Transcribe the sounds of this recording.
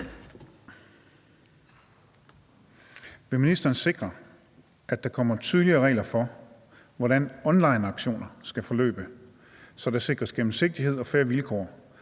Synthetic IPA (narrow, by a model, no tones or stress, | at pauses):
ʋe̝minisd̥ɐːnse̝ɡ̥ʁɐ | ʔæd̥ɑ̈kʰɒ̽m̰ɐt͡sʰyðˠliɐːʁɛ̰ːlɐfɒ̽ | ʋɒɾænɒ̽nlɑ̈ɪnɑ̈ɡ̥ɕo̝̰ːnɐsɡ̥æfɒ̽lø̰ːb̥ə | sɒ̽d̥ese̝ɡ̥ʁɐsɡ̥em̩se̝ɡ̥̚d̥iɦe̝ð̰ˠɒ̽fæɐʋilkʰɒ̰ː